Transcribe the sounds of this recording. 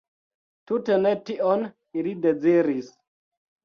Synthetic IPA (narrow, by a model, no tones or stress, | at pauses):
tutenetiʔon | ilided͡ziɾis